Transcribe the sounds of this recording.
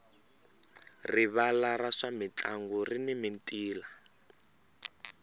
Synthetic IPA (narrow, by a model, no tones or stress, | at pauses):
riβalaraʂamit͡ɬaŋɡɔrinimintʼiːla